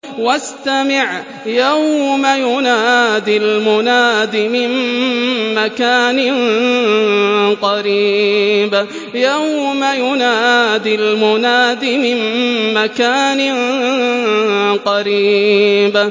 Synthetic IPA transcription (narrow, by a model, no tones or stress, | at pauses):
wast̪amɪʕ | jawmajʊnaːd̪ɪlmʊnaːd̪ɪmɪm | makaːnɪn | qɑɾiːb | jawmajʊnaːd̪ɪlmʊnaːd̪imɪmmakaːnɪ | qɑɾiːb